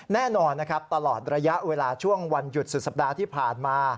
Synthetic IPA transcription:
nɛː˥˩nɔː˧nːa˦˥kʰa˦˥p̚t̪a˧lɔː˨˩t̪̚ɾa˧ja˦˥ʔweː˧laː˧t͡ɕʰu˥˩əŋwa˧nju˨˩t̪̚su˨˩k̚sa˨˩p̚daː˧t̪ʰiː˥˩pʰaː˨˩nmaː˧

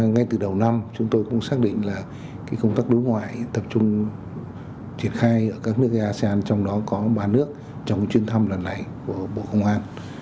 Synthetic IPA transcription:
ŋa˧jt̪ɨ˨˩ɗə˨˩wna˧mt͡ɕʊ˨˦ŋ͡mt̪o˧jkʊ̰˧˥ŋ͡msaː˦˥k̚ɗḭ̈˧˨ŋ̟laː˨˩ | kaː˨˦jkə˧wŋ͡mt̪aː˦˥k̚ɗo˨˦jŋwa̰ː˧˨jt̪ə˨˩p̚t͡ɕʊ˧ŋ͡m | t͡ɕi˧˩ənxaː˧jʔəː˧˩kaː˦˥k̚nɨ˦˥ək̚ʔaː˧se˧aː˧nt͡ɕɔ˧wŋ͡mɗɔ˨˦kɔ˨˦ɓaː˧nɨ˦˥ək̚ | t͡ɕɔ˧wŋ͡mt͡ɕwi˧ənt̪ʰa˧mlə˨˩nla̰˨˧˩jku˧˩əɓo̰˧˨kə˧wŋ͡mʔaː˧n

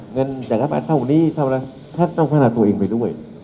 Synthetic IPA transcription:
ŋɤ˧nt͡ɕaː˨˩k̚la˦˥ba̰ː˧˩t̪ʰa˧˩ku˨˩niː˧˥t̪ʰaː˧˩˨la˧˩ | t̪ʰaː˦˥˩na˧kʰaː˧˩naː˧˩t̪u˧ə˧eː˧ŋpa˧jdu˥˩əj

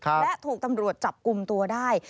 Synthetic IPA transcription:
kʰa˦˧lɛ˦˥t̪ʰuː˨˩k̚t̪a˧mɾu˨˩ət̪̚t͡ɕa˨˩p̚ku˧mt̪u˧ɐdaː˥˩j

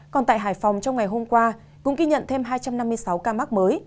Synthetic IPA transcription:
kɔ˨˩nt̪a̰ː˧˨jɦaː˧˩jfa˨˩wŋ͡mt͡ɕɔ˧wŋ͡mŋa˨˩jɦo˧mkwaː˧ | kʊ̰˧˥ŋ͡mɣi˧ɲə̰˧˨nt̪ʰe˧mɦaː˧jt͡ɕa˧mna˧mːɨ˧əjsa˨˦wkaː˧ma˦˥k̚məː˨˦j

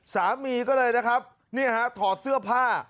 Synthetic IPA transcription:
saː˩˦mːiː˧kɔː˥˩lɤː˧jna˦˥kʰɾa˦˥p̚ | ni˥˩ɦa˦˥t̪ʰɔː˨˩t̪̚sɯ˥˩ɐpʰaː˥˩

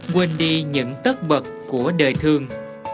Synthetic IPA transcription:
kwe˧nɗi˧ɲɨ̰˧˥ŋt̪ə˦˥t̚ɓə˨˩t̚ku˧˩əɗəː˨˩jt̪ʰɨ˧əŋ

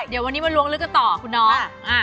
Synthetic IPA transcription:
di˨˩˦əwa˧nːiː˦˥ma˧nlu˧əŋlɯ˦˥ka˧˩nt̪ɔː˨˩kʰu˧nːɔː˦˥ʔa˧˩

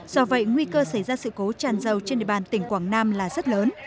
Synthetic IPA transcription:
z̥ɔ˧və̰˧˨jŋwi˧kəː˧sə˧˩jzaː˧sɨ̰˧˨ko˨˦t͡ɕaː˨˩nzə˨˩wt͡ɕe˧nɗḭ˧˨ɓaː˨˩nt̪ï˧˩ŋ̟kwaː˧˩ŋnaː˧mlaː˨˩zə˦˥t̚ləː˨˦n

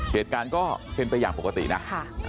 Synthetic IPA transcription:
ki˨˩ət̪̚kaː˧nkɔː˥˩pe˧npa˧jaː˨˩ŋpo˨˩ka˧t̪ḭ˨˩na˦˥a˥˩

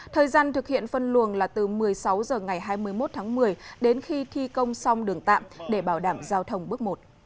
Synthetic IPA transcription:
t̪ʰəː˨˩jzaː˧nt̪ɨ˨˩k̚hḭ˧˨ənfə˧nlu˨˩ənlaː˨˩t̪ɨ˨˩mɨ˨˩əjsa˨˦wzəː˨˩ŋa˨˩jɦaː˧jmɨ˧əjmo˦˥t̚t̪ʰaː˨˦ŋmɨ˨˩əjɗe˨˦nxi˧t̪ʰi˧kə˧wŋ͡msa˧wŋ͡mɗɨ˨˩əŋt̪a̰ː˧˨mɗe˧˩ɓaː˧˩wɗaː˧˩mzaː˧wt̪ʰə˧wŋ͡mɓɨ˦˥ək̚mo˨˩t̚

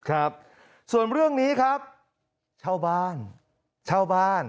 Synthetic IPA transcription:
kʰɾa˦˥p̚ | su˨˩ənɾɯ˥˩əŋniː˦˥kʰɾa˦˥p̚ | t͡ɕʰaː˥˩wbaː˥˩n | t͡ɕʰaː˥˩wbaː˥˩n

